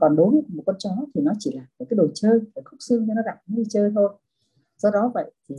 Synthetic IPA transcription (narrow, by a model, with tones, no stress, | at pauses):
kɔ˨˩nɗo˨˦ɲə˧˩mo˨˩kwə˧nt͡ɕɔ˨˦t̪ʰi˨˩nɔ˨˦t͡ɕi˧˩laː˨˩m̚ː˨˩kaː˨˦jɗo˨˩jt͡ɕəː˧jəː˨˩xʊ˦˥k͡p̚si˧mɲɨ˧nɔ˨˦ɣa˧˩p̚ːt͡ɕəː˧jt̪ʰo˧n | zɔ˧ɗɔ˨˦və̰˧˨jt̪ʰi˨˩